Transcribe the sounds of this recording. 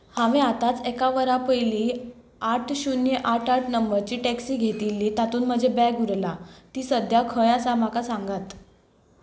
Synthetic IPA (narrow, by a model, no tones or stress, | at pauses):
hãʋẽat̪at͡sekaʋəɾapəjliː | aʈʰɕunjəʔaʈʰaʈʰnəmbəɾt͡ɕiːʈɛksiːɡʱet̪ilːiːt̪at̪uːnm̤əd͡ʑʱebɛɡuɾlat̪iːsəd̪ʱjakʰəjãt͡samakasãŋɡat̪